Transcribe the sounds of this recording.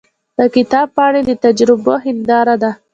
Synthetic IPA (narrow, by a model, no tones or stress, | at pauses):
pəkɪt̪ɑb̚pəaɽed̪ət̪ad͡ʒɾɪboɦɪld̪ɑɾad̪a